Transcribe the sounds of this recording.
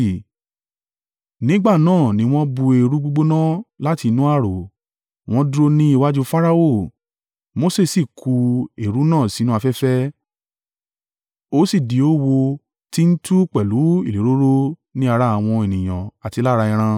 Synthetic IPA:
nĩ˨˦ɡ͡ba˦˨nãː˦˨nĩ˨˦w̃ɔ̃˦bu˧e˨˧ɾu˦ɡ͡bo˦ɡ͡bo˦nã˦la˦ti˧nũ˦a˦˨ɾo˨ | w̃ɔ̃˦du˦ɾo˦˧nĩ˦i˦˨wa˦d͡ʒu˦fa˦ɾa˦o˦˨ | mo˨˦se˦˨si˦˨kʰu˧e˨ɾu˨˦nãː˦˨si˨˦nũ˦a˧fɛ˦fɛ˦ | o˦si˦˨di˨˦o˦wo˧ | ti˦n̩˦tu˦k͡pɛ˨lu˨˦i˦˨li˨˦ɾo˦ɾo˦nĩ˦a˧ɾa˦a˧w̃ɔ̃˧e˨nĩ˨j̃ã̰˨a˨ti˧la˦ɾa˧ĩ˧ɾ̃ã˧

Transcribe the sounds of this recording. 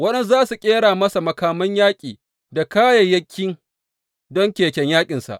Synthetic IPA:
wɐ˦ɗɛ˦nzaː˦su˨kʲʼeː˦ɽaː˨mɐ˦sa˨mɐ˨kaː˨mɐ˦ɲjaː˦kʲʼiː˨ | da˨kaː˦jɐ˨jɐ˦kʲʰːɪ˦ŋ | dɔ˦ŋkʲeː˨kʲɛ˨ɲjaː˦kʲʼɪ˨nsa̰˨ʔ

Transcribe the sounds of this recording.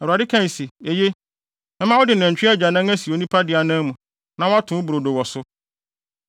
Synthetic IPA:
ɛ˨a˨dɪ˦kʰã˦n˨si˨e˨je˦ | mɛ̃˦mã˦wɔ˦dɪ˨nɛ̃˨ɲ˨t͡ɕᶣɪ˦a˦d͡ʑa˨nã˦ŋ˦æ̃˦si˨o˨nĩ˦pʰa˦dɪ˨a˨nã˦mũ˨ | nã˦wa˦tʰʊ̃˨˦bu˨ɾo˨do˨wɔ˨sʊ˦

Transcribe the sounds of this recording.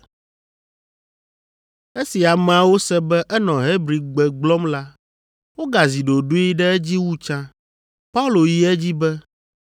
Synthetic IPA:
e˦si˨a˨m˨a˨wo˦sɛ˦bɛ˦ʔɛ˦nɔ̃˨ɦe˦bɾi˨ɡ͡bɛ˨ɡ͡blɔ˦mla˦ | wo˦ɡa˨zi˨ɖo˨ɖo˦i˦ɖɛ˦ɛ˦d͡ʑi˦wu˦t͡ʃã˦ | pa˦u˦lo˨ji˦ɛ˦d͡ʑi˦bɛ˦

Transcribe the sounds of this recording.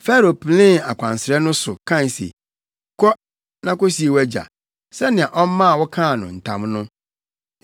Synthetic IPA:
fɛ˦ɾo˨pʰlɪ̃˦a˨kʷʰã˨n˨sɪ˨ɾɛ˦nʊ̃˦sʊ˨kʰã˦˨n˨sḛ˨ | kʰɔ˦ | nã˦ko˦si˨e˨wæ˦d͡ʑa̰˨ | sɛ˦nɪ̃˨a˨ʔɔ˦m˦mã˦a˨wɔ˦kʰã˦˨nʊ̰̃˨n̩˨tʰã̰˨mnʊ̃˦

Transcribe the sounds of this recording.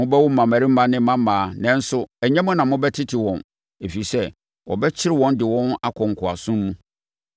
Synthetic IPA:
mʊ̃˦bɛ˦wʊ˦m̩˦mã˨mæ˨ɾi˦mã˦nɪ̃˦mã˦mãː˨˦nɛ̃˦n̩˦sʊ˦ɛ˨ɲɛ̃˦mʊ̃˦nã˨mʊ̃˦bɛ˦tʰɪ˦tʰɪ˨wɔ̃˨n | e˨fi˨i˨sɛ˦ | wʔɔ̰˨bɛ˦t͡ɕʰɪ˦ɾɪ˦wɔ̃˦ndɪ˨wɔ̃˦na˦kʰɔ˨ŋ̩˨kʰʊ˨a̰˨sʊ̃˦mː˦ũ˦

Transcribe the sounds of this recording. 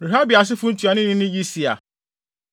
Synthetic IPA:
ɾi˨ɦa˦bi˨a˨s̬ɪ˦fʊ̃˦n̩˦tʰu˨a˨nɪ̃˦nɪ̃˦nɪ̃˦d͡ʑi˦si˨a̰˨

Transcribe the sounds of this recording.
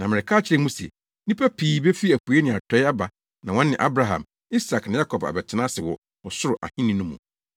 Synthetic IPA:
nã˨mɪ̃˨ɾɪ˨kʰaː˦˨t͡ɕʰɪ˨ɾɛ˦mũ˦sḛ˨ | nĩ˦pʰæ˦pʰiː˨˦be˦fi˦æ˨kʰu˨e˦nɪ̃˨a˨tʰɛ˦ɪ˦a˦ba˨ | nã˨wɔ̃˦nːɪ̃˨ʔa˦bɾa˨ɦã̰˨m | i˦sa˨knɪ̃˨ja˦kʰɔ˨ba̰˨bɛ˨tʰɪ˨˦nã˦sɪ˨wɔ˨ | ɔ˨sʊ˦ɾʊ˨ʔa̰˨hĩ˦nĩ˦nũ˦mṵ̃˨

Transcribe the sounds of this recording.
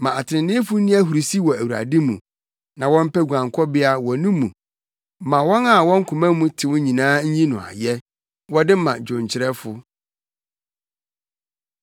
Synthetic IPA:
mã˨a˨tʰɪ˨˦nɪ̃˦fʊ˦nĩ˦æ˦ɦu˨ɾi˨si˦wɔ˨æ˨wu˨a̰˨dɪ˦mṵ̃˨ | nã˨wɔ̃˦m̩˦pɛ˦ɡʷu˨ã˨ŋkʰɔ˦bɪ˦a˦wɔ˨nũ˦mũ˨˦ | mã˨wɔ̃˦na˨wɔ̃˦ŋ̩˦kʰʊ̃˨mã˦mũ˦tʰɪ˨wʊ˦ɲĩ˨nãː˦ɲ̩˦ɲĩ˦nʊ̃˨a̰˨jɛ˦ | wɔ˦dɪ˦mã̰˨d͡ʑʊ̃˨ɲ˨t͡ɕʰɪ˨ɾɛ˦fʊ˨

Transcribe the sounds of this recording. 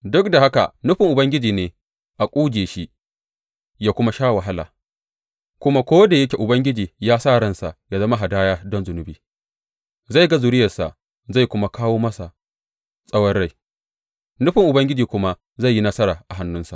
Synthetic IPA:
dʊ˦k̚da˨ha˦ka̰˨nʊ˦ɸɪ˨ŋʔʊ˨bɐ˦ŋɡʲɪ˦d͡ʒiː˨neː˨ | ʔa˨kʷʼuː˦d͡ʒeː˨ʃi˦ | jaː˦kʷʊ˦ma˦ʃaː˦wɐ˨ɦa˦la̰ː˨ | kʷʊ˦ma˦kʷoː˦da˨jɐ˦kʲe˨ʔʊ˨bɐ˦ŋɡʲɪ˦d͡ʒiː˨jaː˦saː˦˨ɽɐ˦nsa˨ʔja˨zɐ˦ma˦ɦa˨daː˦jaː˦dɔ˦nzʊ˨nʊ˨biː˦ | za˦˨ɡa˦zʊ˨ɾɪ˦jɐ˨sa̰˨ʔ | za˦˨kʷʊ˦ma˦kaː˦woː˦mɐ˦sa˨ | sʼɐ˦wɐ˦rɽa˦˨j | nʊ˦ɸɪ˨ŋʔʊ˨bɐ˦ŋɡʲɪ˦d͡ʒiː˨kʷʊ˦ma˦ʔ | za˦˨jːi˦nɐ˦sɐ˦ɾaː˨ʔa˨ɦa˦nːʊ˦nsa̰˨ʔ

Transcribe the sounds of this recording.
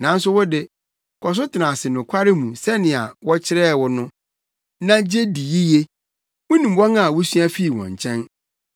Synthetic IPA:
nã˨˦n̩˦sʊ˦wʊ˦dɪ˦ | kʰɔ˨s̬ʊ˦tʰɪ˨nã˨sɪ˨nʊ̃˨kʷʰa˦ɾɪ˦mũ˨sɛ˦nɪ̃˨a̰˨wɔ˦t͡ɕʰɪ˦ɾɛ˦˨wɔ˦nʊ̃˦ | nã˦d͡ʑe˦di˨ji˦je˦ | mʊ̃˦nĩ˨m˦bɔ̃˦ŋ˦a˨wʊ˦sɥa˦fi˦i˨wɔ̰̃˨ɲ˨t͡ɕʰɛ̃˦n

